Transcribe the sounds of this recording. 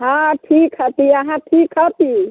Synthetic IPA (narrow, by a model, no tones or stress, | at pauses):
ɦãʈʰikɦət̪iəɦãʈʰikɦət̪i